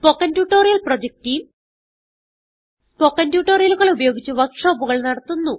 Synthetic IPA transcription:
spokːɐndjuːʈːo̞ːrijɐlprod͡ʑek̚ʈiːm | spokːɐntjuːʈːoːɾijɐluɣɐɭubɐjo̞ːɡit͡ɕːuʋɐkʂoːbuɣɐɭnɐɽɐt̪ːunːu

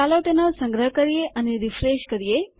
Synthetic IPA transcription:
alot̪enosəŋɡɾəɦəkəɾijeʔəneɾifɾeʃkəɾije

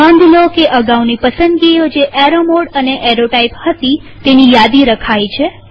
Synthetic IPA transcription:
ãnd̪ʱlokeʔəɡawnipəsənd̪ɡiod͡ʒeʔɛɾomoɽəneʔeɾoʈaiphət̪i | t̪enijad̪iɾəkʰajt͡ʃʰe

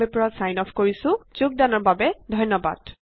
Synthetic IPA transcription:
ejpɹasajnɔpʰkoɹisʊ̃z̥uk̚danɔɹbabɛdʱɔjnːɔba̰d̥

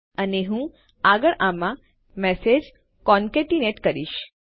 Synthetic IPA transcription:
əneɦũ | aɡəɭʔamã | mɛsed͡ʒ | kɔnkeʈineʈkəɾiʃ

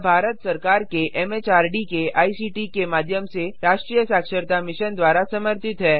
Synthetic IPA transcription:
bʱaːɾət̪sɐɾkaːɾkeʔɛːmeːt͡ʃaːɾɖikeaːisiːʈikemaːd̪ʱjəmseɾaːʃʈɾiːjəsaːkʃəɾt̪amɪʃənd̪waːɾasɐməɾt̪ɪt̪ɦɛː

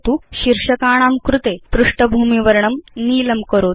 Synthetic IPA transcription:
t̪uɕiɾʂəkaːɽ̃aːmkɾut̪epɾuʂʈəbʱuːmiʋəɾɳəmniːləmkəɾoːt̪

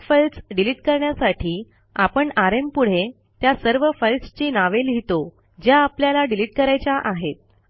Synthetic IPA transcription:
fəlsɖiliʈkəɾɳjasaʈʰiː | apəɳaɾempuɽ̤e | t̪jasəɾʋəfəlst͡ɕiːnaʋelɦit̪o | d͡ʑjaːpljalaɖiliʈ̚kəɾajt͡ɕaʔaɦet̪̚

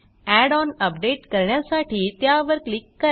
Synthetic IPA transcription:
ɛɖɔːnɐp̚ɖeːʈkɐɾɳjasaːʈʰit̪jaːʋəɾklikːɐ

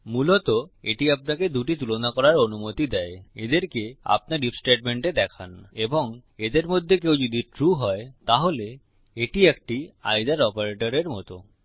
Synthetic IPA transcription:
mulot̪oeʈiap̚naked̪uʈit̪̬ulonakɔɾaɾonumot̪id̪ɛeed̪eɾkea̰p̚naɾɖipsʈeʈ̚meɳʈed̪ɛkʰaneboŋed̪eɾmod̪ʱːekewd͡ʑod̪iʈɾuɦɔet̪aɦole | eʈiek̚ʈia̰jd̪aɾɔpaɾeʈoɾeɾmɔt̪o

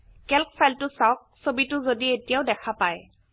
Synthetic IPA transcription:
kɛlk̚pʰajltʊsawk̚sobitʊzodietijaʊdɛkʰapaj

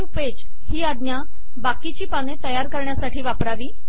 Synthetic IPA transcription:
uped͡ʑ | hiːad̪nja | bakit͡ɕiːpanet̪əjaɾkəɾɳjasaʈiːʋapɾaʋiː

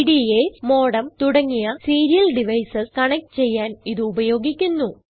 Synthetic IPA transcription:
ɽiemo̞ːɽɐmt̪uɽɐŋːijɐsiːɾijɐlɖiʋɐjsɐskɐɳɐk̚ʈɨt͡ɕe̞jːaːniðɨːbɐjo̞ːɡikʲːunːu

